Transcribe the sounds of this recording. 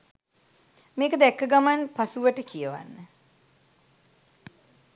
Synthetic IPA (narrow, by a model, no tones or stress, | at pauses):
meːkəd̪ɛkːəɡamanpasuʋəʈəkijəʋa̰nːə